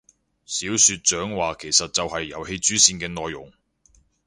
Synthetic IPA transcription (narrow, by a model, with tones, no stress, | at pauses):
siː˨˥wsyː˧t̚t͡ʃœː˨˥ŋwaː˨kʰe˨˩jsɐ˨t̚t͡sɐ˨whɐ˨jːɐ̰˨˥whe˧jt͡ʃyː˨˥siː˧nkɛː˧nɔː˨jːʊ̰˨˩ŋ